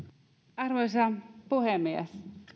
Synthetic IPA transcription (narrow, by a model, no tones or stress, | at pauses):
ɑrʋois̬ɑpuhemːiæ̰s